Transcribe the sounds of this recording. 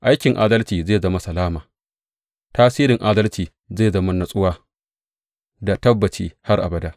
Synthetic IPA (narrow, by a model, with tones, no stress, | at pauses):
ʔa˦jkʲɪ˨ŋʔaː˦dɐ˦lt͡ʃiː˨zeː˦˨zɐ˦ma˦sɐ˨laː˦maː˨ | taː˦siː˦ɾɪ˨ŋʔaː˦dɐ˦lt͡ʃiː˨ | zeː˦˨zɐ˦ma˦nɐ˨sʼʊ˦waː˦ | da˨tɐ˦bːɐ˨t͡ʃiː˦ha˦rʔa̰˨bɐ˨daː˦ʔ